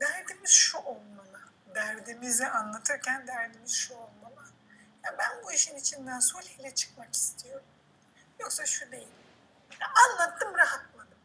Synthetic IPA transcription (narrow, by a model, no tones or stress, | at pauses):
d̪æɾd̪imiz̥ʃuʔolˠmalˠɯ | d̪æɾd̪imizɛʔanlˠat̪ʰɯɾcʰænd̪æɾd̪imiz̥ʃuolˠmalˠɯ | jabænbuiʃinit͡ʃʰind̪ænsolʲilʲɛt͡ʃʰɯ̥kmaki̥st̪ʰijo̞ɾum | jo̞ksaʃud̪e̞jilʲ | jɛʔanlˠat̪ʰːɯmɾaɦat̪lˠad̪ɯm